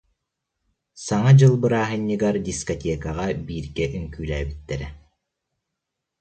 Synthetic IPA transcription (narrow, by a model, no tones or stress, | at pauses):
saŋad͡ʑɯlˠbɯɾaːɦɯɲːɯɡaɾd̪ʲiskɔt̪ʲɛkaʁabiːɾɡɛʔyŋkyːlæːbit̪ːɛɾɛ